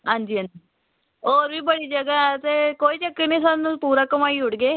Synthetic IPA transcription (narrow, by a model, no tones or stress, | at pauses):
ɦãnd͡ʒiːɦãnd͡ʑi | oːɾbʱiːbəɽid͡ʒəɡat̪ekoːit͡ʃəkːenisənpuːɾakəmaːiʊɽɡeː